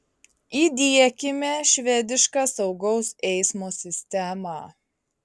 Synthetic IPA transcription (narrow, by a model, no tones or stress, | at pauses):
iːd̪ʲiɛkʲɪmʲeʃʲʋʲɛːd̪ʲɪʃkɑːsɒʊɡɒʊsɛɪsmoːsʲɪsʲt̪ʲɛmɑ̰